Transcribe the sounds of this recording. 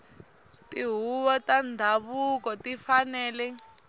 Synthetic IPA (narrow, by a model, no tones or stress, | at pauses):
tiɦuβɔtandʱaβukɔtifanɛːlɛ